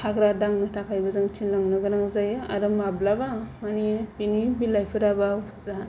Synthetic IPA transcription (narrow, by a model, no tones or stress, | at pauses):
hʰakɾadaŋnɯtʰakʰajbazaŋt͡ʃʰinlaŋnɯɡɯɾaŋzajaɾɯmablabamanibinibilajpʰɯɾabaw | ɾa